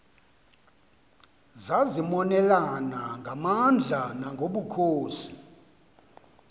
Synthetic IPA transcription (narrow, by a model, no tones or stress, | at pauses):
zazimɔnɛlanaŋɡʱamand͡ɮʱanaŋɡʱoɓukʰoːsi̥